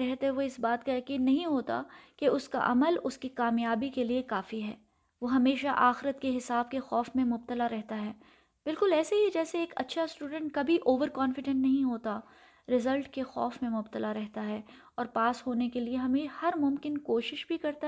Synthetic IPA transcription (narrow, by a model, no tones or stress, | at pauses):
ɾɛɦt̪euʋeɪsbaːt̪kajɐkiːnːɐɦĩɦoːt̪a̰keʊska̰ʔɐməlʊskikaːmjaːbikeliekaːfiɦɛː | ʋoɦɐmeːʃaʔaːxɪɾət̪keɦɪsaːb̚kexɔːfmẽmʊb̚t̪əlaɾɛɦt̪aɦɛː | b̥ɪlkʊlɛːseɦid͡ʒɛːseeːkɐ̰tːʃʰasʈuːɖə̃ɳʈ̚kɐbʱiʔoːʋəɾkɔːnfɪɖɛ̃ɳʈnɐɦĩɦoːt̪a | ɾɪzəlʈkexɔ̰ːfmẽmʊbt̪əlaɾɛɦt̪aɦɛː | ɔːɾpaːsɦoːnekelieɦɐmehɐɾmʊmkɪnkoːʃɪʃbʱikɐɾt̪a